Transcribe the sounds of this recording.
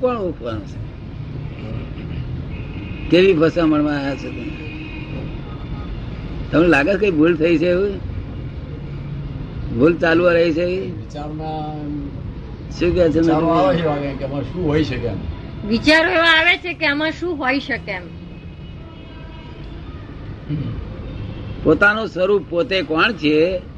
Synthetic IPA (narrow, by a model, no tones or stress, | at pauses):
pəɳupʰʋanot͡ʃʰe̥ | keʋipəsaməɳmãaɦat͡ʃʰet̪əme | t̪əmelaɡet͡ʃʰkaibʱult̪ʰəit͡ʃʰeu | bʱult͡ʃaluʋaɾəɦit͡ʃʰeʋiʋit͡ʃaɾna | ʃũkɛt͡ʃʰenaɦiʋaɡekeəmãʃũɦoiʃəkḛmʋit͡ʃaɾeʋãaʋet͡ʃʰekeəmãʃũɦoiʃəkem | pot̪anosʋəɾupot̪ekɔɳt͡ʃʰe